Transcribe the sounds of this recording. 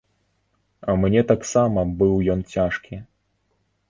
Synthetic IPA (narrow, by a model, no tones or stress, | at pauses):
ɐmnʲɛt̪aksamɐbɨwjɔnt͡sʲaʂkʲi